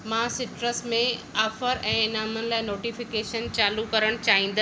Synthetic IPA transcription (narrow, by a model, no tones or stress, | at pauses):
mãsɪʈɾəsmẽaːfəɾɛ̃ːɪnaːmənɪ̆laːɪnoːʈifɪkeːʃənt͡ɕaːlukɐɾəɽ̃t͡ɕaːɦĩːn̆d̪ə